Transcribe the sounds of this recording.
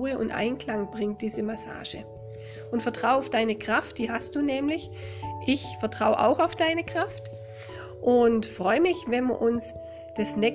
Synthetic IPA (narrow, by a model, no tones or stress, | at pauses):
uːəʊ̰ntʔa̰ɪnkl̥aŋb̥ʁɪŋt̚d̥iːzəmasa̰ːʒə̰ | ʔʊntfɛɐtʁ̥aʊaʊfd̥aɪnəkʁ̥aft̚d̥iːɦast̚d̥uːnɛːmlɪç | ʔɪçfɛɐtʁ̥aʊʔa̰ʊxaʊfd̥aɪnəkʁ̥aft | ʔʊntfʁɔʏəmɪçvɛnmiɐʔʊns | d̥asnɛ